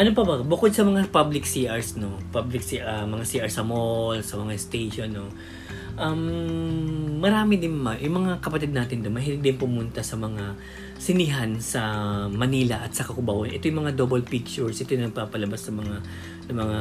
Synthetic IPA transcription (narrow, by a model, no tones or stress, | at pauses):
ʔɐnop̬ɐbɐbʊkod̪sɐmɐŋapablɪksiʔɐɹsno̞pablɪk̚siʔamɐŋasiʔɐɹsɐmolsɐmɐŋast̪ejʃonːo̞ | ʔɐm | ɐɾaːmɪd̪ɪnmɐjʊŋmɐŋakɐpɐt̪ɪd̪̚naːt̪ɪnd̪onmɐhɪɾɪk̚d̪ɪnpʊmʊnt̪ɐsɐmɐŋa | sɪnɪɦansɐmɐniːlɐʔɐt̪sɐkɐkʊbɐʔonʔɛt̪ojʊŋmɐŋad̪oːbɐlpik̚t͡ʃʊɹsʔɛt̪ojnɐɡ̚paːpɐlɐbasnɐmɐŋa | nɐmɐŋa